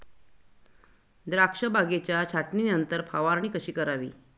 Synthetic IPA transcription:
d̪ɾakʂəbʱaɡet͡ɕjat͡ɕʰaʈninənt̪əɾpʰaʋaɾɳ̃iːkəɕiːkəɾaʋḭː

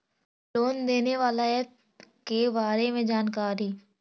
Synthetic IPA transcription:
loːnd̪eːneʋaːlaɛ | kebaːɾemẽd͡ʒaːnkaːɾi

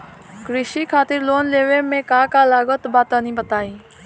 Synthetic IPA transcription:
kɾɪʃiːkʰaːt̪ɪɾloːnleːʋeːmẽkãːkaːlaːɡoːt̪baːt̪ənĩːbət̪aːiː

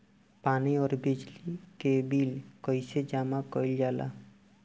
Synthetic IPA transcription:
paːniɔːɾbid͡ʒlikebilkɔɪsed͡ʒamakɔjld͡ʒaːla̰

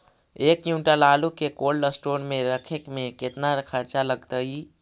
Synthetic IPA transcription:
eːkjũːʈalaːlukekoːlːəsʈoːnmẽɾəkʰekmẽkɪt̪naɾkʰəɾt͡ʃaləɡt̪əi

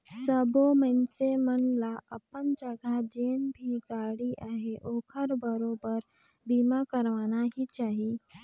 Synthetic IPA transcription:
səbomənsemənlaʔəpənd͡ʒəɡʱad͡ʒenbʱiɡaɽiʔaɦeʔoːkʰəɾbəɾobəɾ | bimakəɾʋanaɦit͡ʃaːɦi

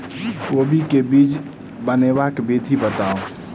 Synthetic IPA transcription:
oːbʱikebid͡ʒ | bənebakebid̪ʱibət̪ao

